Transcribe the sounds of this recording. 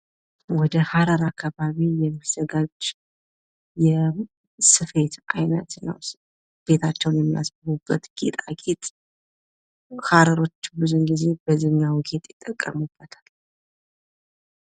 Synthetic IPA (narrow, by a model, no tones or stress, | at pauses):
wɔd̪əhaɾəɾakʰːaβaβijɛmːiz̥əɡad͡ʒ | jɛ | sɨfe̞t̪ajnət̪nə̰w | b̥e̞t̪ʰat͡ʃːɛwnjɛmːijasbəɾubːət̪ɡ̥ḛt̪ʼakʼit̪ʼ | haɾəɾo̞t͡ʃːbuzunɡize̞bəzɨɲːawɡet̪ʼjɪt̪ʼːəkʼːəmub̥ːət̪ʰḁl